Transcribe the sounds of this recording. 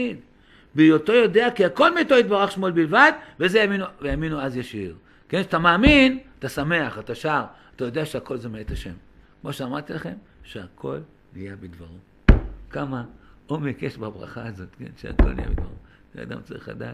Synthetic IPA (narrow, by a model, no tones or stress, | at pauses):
id | bijot̪o̞jo̞deakiako̞lmito̞it̪baʁaχʃmo̞lbilvad̪vezejaminuvejaminuazjaʃiʁ | kenat̪amaːminat̪asame̞aχat̪aʃaʁat̪ajo̞d̪eaʃeako̞lzemeet̪aʃe̞̰m | kmoʃeamaʁt̪ilaχe̞m | ʃeakʰo̞̰l | nijabid̪vaʁu | kamaomekeʃbabʁa̰χaːzo̞t̪kḛnʃea̰kolnḭjḛbid̪va̰ʁu | ʃḛa̰d̪a̰mt͡sa̰ʁḭχla̰d̪a̰ːt